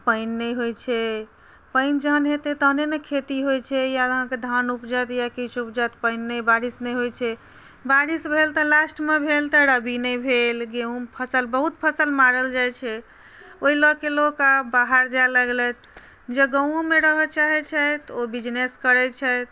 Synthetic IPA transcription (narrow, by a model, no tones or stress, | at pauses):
pənːɛjɦojt͡ʃʰɛ | pəɪnd͡ʒəɦənɦet̪et̪əɦnenekʰet̪iɦojt͡ʃʰɛjaɦə̃ked̪ʱanupd͡ʒajt̪jakit͡ʃʰup̚d͡ʒajt̪pəɪnːɛbaɽisnɛjɦojt͡ʃʰɛ | baɽisbʱelt̪əlasʈmebʱelt̪əɾəbʱinɛjbʱelɡeũpʰəsəlbəɦut̪̚pʰəsəlmaɾəld͡ʒajt͡ʃʰɛ | oilɔkːelokabaɦaɾd͡ʒajləɡlɛt̪ʰ | d͡ʒeɡəw̃omeɾəɦət͡ʃaɦɛt͡ʃʰɛt̪obid͡ʒneskəɾɛt͡ʃʰɛt̪